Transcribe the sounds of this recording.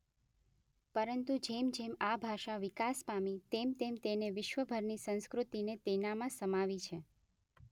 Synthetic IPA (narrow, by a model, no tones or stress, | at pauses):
pəɾənt̪ud͡ʒemd͡ʒemabʱaʃaʋɪkaspamit̪emt̪emt̪eneʋɪʃʋəbʱəɾnisə̃nskɾut̪inet̪enamãsəmaʋit͡ʃʰe